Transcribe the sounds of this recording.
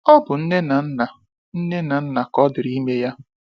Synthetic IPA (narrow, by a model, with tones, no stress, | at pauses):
ɔ˦bʊ˨n̩˦ne˦na˨n̩˦na˨ | n̩˦ne˦na˨n̩˦na˨kɔ˦dɪ˨ɾi˦me˦ja˦